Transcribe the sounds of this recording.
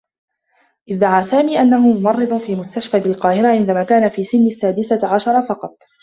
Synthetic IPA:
ʔɪðd̪ːaʕaːsaːmiːʔanːahʊmʊmɑrˤːɨd̪ˤʊfiːmʊst̪aʃfaːbɪlqɑːhɪɾaʕɪnd̪amaːkaːnafiːsɪnːasːaːd̪ɪsaʕaʃɑɾˤɑfɑqɑt̪̚ˤ

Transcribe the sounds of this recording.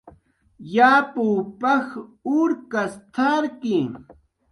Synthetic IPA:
jaːpuːpaxʊɾkast̪ʰaɾki

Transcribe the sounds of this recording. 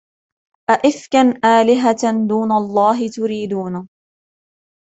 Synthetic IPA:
ʔaʔɪfkanʔaːlɪɦad̪uːnalˤːɑːɦɪt̪ʊɾiːd̪uːna

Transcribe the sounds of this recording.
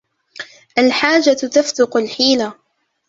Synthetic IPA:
ʔalħaːd͡ʒat̪aft̪ʊqʊlħiːla

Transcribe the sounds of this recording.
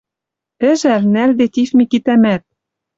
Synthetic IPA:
ɘ̆ʒærnæld̪et̪ʲifmikit̪æmæt̪̚

